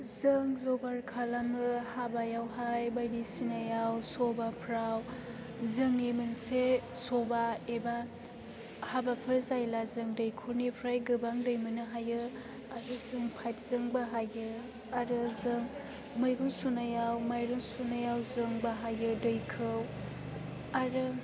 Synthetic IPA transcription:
zɯŋzobaɾkʰalamɯhabajawɦajbajdisinajawsobapʰɾaw | zɯŋemɯnsesobaeba | habapʰɯɾzajlazɯŋdɐjkʰoɾnipʰɾajɡɯbaŋdɯjmɯnɯɦajɯ | aɾɯzɯŋpʰajt̚zɯŋbaɦajɯ | aɾɯzɯŋ | majɡuŋsunajawmajɾuŋsunajawzɯŋbaɦajɯdɯjkʰɯw | aɾɯ

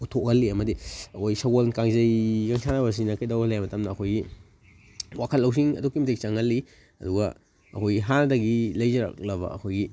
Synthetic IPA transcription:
utʰokhɐlːiɐmɐdiɐkʰojɡisaɡolkaŋzɐjkaŋsʰanɐbɐs̬inɐkajdawalajamɐtɐmnɐːkʰojɡi | wakʰɐlːɐws̬iŋɐ̰dukːimɐtʰek̚t͡ʃaŋɐlːi | ɐ̰duɡɐ | ɐkʰojɡiɦandɐɡilɐjzɐɾa̰k̚lɐβɐ̰ɐkʰojɡi

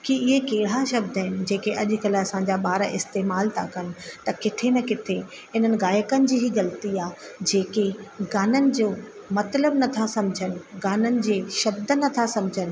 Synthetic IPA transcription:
kiɪɦekeːɽ̤aʃɐbd̪əɦɪnɪ̆d͡ʑeːkeʔɐʄ̆kɐlɐsãɲd͡ʑaɓaːɾʔɪst̪eːmaːlt̪ʰa̰kɐnɪ̆t̪ɐkɪt̪ʰemẽkɪt̪ʰe | ɦɪn̤ənɪ̆ɣaːjəkənɪ̆d͡ʑiːɦiɣɐlt̪iaːd͡ʑeːkeɡaːnənɪ̆d͡ʑoːmɐt̪ləbnɐt̪ʰasɐ̃md͡ʑʱənɪ̆ɡaːnənɪ̆d͡ʑeːʃɐbd̪ənɐt̪ʰasɐ̃md͡ʑʱənɪ̆

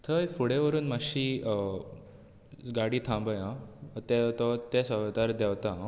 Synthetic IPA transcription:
t̪ʰəjfuɽeʋəɾuːnmaɕiː | ɡaɽiːt̪ʰãmbəjãt̪et̪ɔt̪esəʋd̪aɾd̪ɛwt̪a

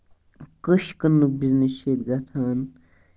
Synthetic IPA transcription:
kəʃkənːuk̚bizneseːt̪ɡɐt̪ʰan

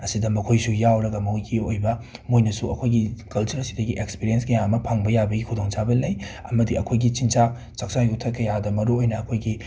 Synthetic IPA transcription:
ɐsidɐmɐkʰojsujawɾɐɡɐmɐɡiojbɐ | mojnɐsuɐ̰kʰojɡikɐlt͡ʃɐɾɐsi̥dɐɡiʔekspiɾienskɐjaɐmɐpʰaŋbɐjabɐɡikʰudoŋsabɐlɐjɐmɐdiɐkʰojɡit͡ʃint͡ʃa | t͡ʃɐk̚t͡ʃajutʰɐkɐjadɐmɐɾuojnɐːkʰojɡi

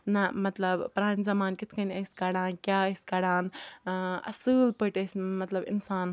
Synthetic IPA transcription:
nɐmɐt̪lɐbpɾaːnzɐmaːnkit̪ʰkɐnʲɐsʲkɐɽaːnkʲjaːɐsʲkɐɽaːn | ɐ̰sɨːlpəʈɐsʲmɐt̪lɐbɪ̰nsaːn

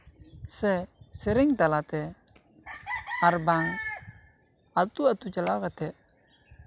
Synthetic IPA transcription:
sɛsɛɾɪŋt̪alat̪ɛ | aɾbaŋ | at̪uat̪ut͡ʃalawkat̪ɛ

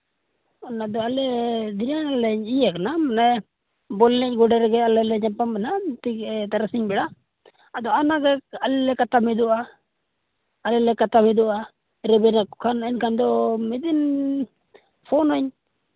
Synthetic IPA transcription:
ɔnad̪ɔalɛd̪inalɛɲijaknamanɛ | bɔlnɛc̚ɡɔɖɛɾɛɡɛalɛlɛɲapamɛnat̪it̪aɾasiɲbɛɽaː | d̪ɔanaɡɛalɛlɛkat̪amɛd̪ɔʔa | lɛlɛkat̪amɛd̪ɔʔa | ɾɛbɛnakɔkʰanɛnkand̪ɔmɛd̪in | pʰɔnaɲ

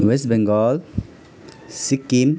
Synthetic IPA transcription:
ʋes̬ʈbẽŋɡɔːl | sikːim

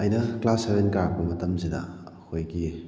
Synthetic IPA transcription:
ɐjnɐklasɐɾenkaɾp̚bɐmɐtɐmsidɐ̰kʰojɡi

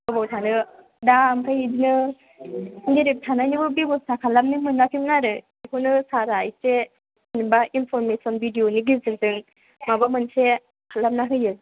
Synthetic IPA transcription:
ɯbɔwtʰanɯ | damkʰajidinɯ | ŋɡeɾip̚tʰananibɯbibɔsakʰalam̚nimɯnːakʰimnaɾɯ | ikʰɯnɯsaɾajse | nibainpʰɔɾmesɔnbidijoniɡizɯŋzɯŋ | mabamɯnse | kʰalap̚naɦɯjɯ

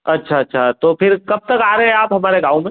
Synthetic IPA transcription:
ɐtːʃʰaɐtːʃʰat̪opʰɪɾkɐb̚t̪ɐkaːɾɐɦɛ̃aːpɦɐmaːɾeɡãːũmẽ

